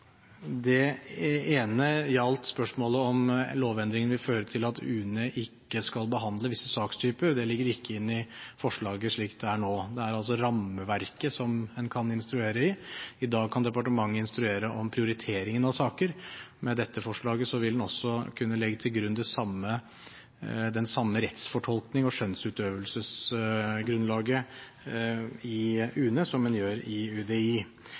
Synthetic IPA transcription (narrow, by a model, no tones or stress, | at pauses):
d̪ɛ | eːnəjɑlt̪spœʂmoːləɔmloːʋɛnd̪ɾɪŋənʋɪlføːɾət̪ʰɪlɑt̪ʰʉːnəʔɪkːəskɑlbəɦɑnd̪ləʋɪsːəsɑːkst̪ʰyːpəɾd̪ɛlɪɡːəɾɪkːəɪnːɪfɔʂɭɑːɡəʂɭiːkt̪̚d̪ɛæɳoːd̪ɛæɾɑls̬ɔɾɑmːəʋæɾkəsɔmɛnkʰɑnɪnst̪ɾʉeːɾəɪɪd̪ɑːɡ̚kʰɑnd̪ɛpɑʈəmɑŋːəɪnst̪ɾʉeːɾəʔɔmpʰɾɪʊɾɪt̪ʰeːɾɪŋənɑʋsɑːkəɾmɛd̪ɛt̪ʰːəfɔʂɭɑːɡəsɔʋɪld̪ɛnɔsːɔkʰʉnːəlɛɡːət̪ʰɪlɡɾʉnːd̪ɛsɑmːə | d̪ɛnsɑmːəɾɛt̪sfɔʈʰɔlknɪŋɔʂœnsʉːt̪øːʋəlsəs | ɡɾʉnlɑːɡə | ɪʉːnəsɔmːɛnjøːɾɪʉd̪eiː